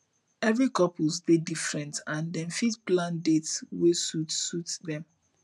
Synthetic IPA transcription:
ɛvɹikɔpozdedifɹɛ̃ntãndɛ̃nfitplãndetswesutsutðɛ̃m

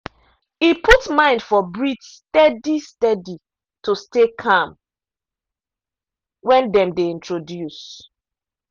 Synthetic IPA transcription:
ipʰutmãɪ̃ndfɔbɹitstɛdistɛdi | tustekʰãm | wɛ̃ndɛ̃mdeĩntɹodjus

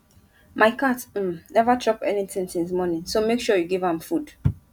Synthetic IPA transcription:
maɪkatm̩nɛvatʰɹɔpɛnitʰĩŋsĩnsmɔnĩŋsomekʃɔjuɡivãmfud̥

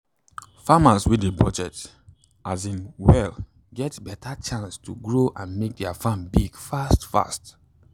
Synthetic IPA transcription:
famaswidebɔd͡ʒɛt | ʔazĩnwɛl | ɡɛtbɛtʰat͡ʃãnstʰuɡɹoʔãnmek̚dɛafãnbiɡ̥fastfa̰st

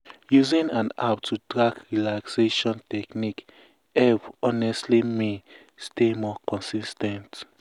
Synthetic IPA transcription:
juzĩnãna̰p̚tʰutɹakɹilakseʃɔ̃ntɛknik | ɛvɔnɛstlime | stemɔkɔ̃nsistɛ̃nt

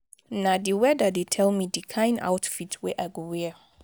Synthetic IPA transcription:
nadiwɛdadetʰɛlmidikʰãɪ̃na̰ʊwtfitʰwɛʔajɡowɛ

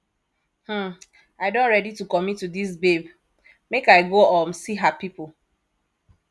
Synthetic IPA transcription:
h̩ | aɪdõntɹɛditukɔmitːudis̬beb | mekaɪɡoɔmsiɦapipo

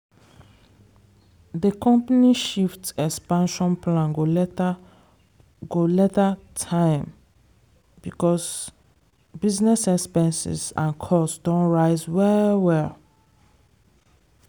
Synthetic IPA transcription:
ðəkʰɔ̃mpaniʃiftɛkspãnʃɔ̃nplãnɡol | ɡolɛtatʰãɪ̃m | bikɔs | biznɛsɛkspɛ̃nsḭsã̰nkʰɔsdɔ̃nɹaɪzwɛwɛl

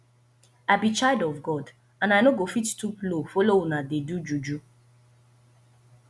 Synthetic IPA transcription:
ajbit͡ʃaɪdɔvɡɔd | ãnajnoɡofittuplofɔlounadedud͡ʒud͡ʒu

